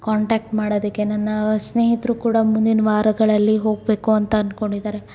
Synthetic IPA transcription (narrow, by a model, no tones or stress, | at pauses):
kaːɳʈaːk̚ʈmaːɽoːd̪ikːe̞nɐnːɐsne̞ːɦit̪ɾukuːɽɐmund̪inɐʋaːɾɐɡɐɭɐlːiɦo̞ːɡbe̞ːkuɐnt̪ɐːnko̞ɳɖid̪aːɾe̞